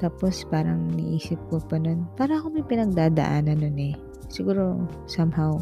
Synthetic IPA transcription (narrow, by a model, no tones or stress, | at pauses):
t̪aːpo̞spaːɾɐŋnɪʔiːsɪp̚kopɐnonpaːɾɐɐkomɐjpɪnɐɡ̚d̪aːd̪ɐ̰ʔaːnɐnonɛ | sɪɡuːɾo̞ | sɐmhaw